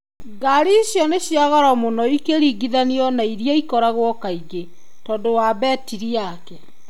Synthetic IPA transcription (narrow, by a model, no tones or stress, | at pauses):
ɡaɾiɕjɔneɕjaɣɔɾɔmonɔikeɾiɡiðaniɔnaiɾijaikɔɾaɣwɔkaiɡe | tɔːndowabɛtiɾiakɛ